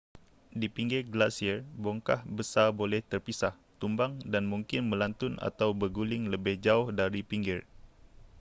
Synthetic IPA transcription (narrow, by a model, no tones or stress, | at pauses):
dipiŋɡɛɡlasiərbɔŋkahbəsarbolɛht̪ərpisah | t̪umbaŋdanmuŋkɪnmə̃lant̪ʊna̰t̪awbəɡulɪŋləbɪhd͡ʒaʊhdaɾipiŋɡɪr